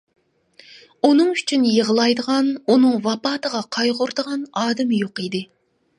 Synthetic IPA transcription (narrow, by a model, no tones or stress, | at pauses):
unɨŋyt͡ʃʰynjəʁəlˠɑjd̪əʁɑnunɨŋvɑpɑːt̪ʰəʁɑqʰɑjʁʊɾd̪əʁɑnɑːd̪ɪmɨjoqid̪ɪ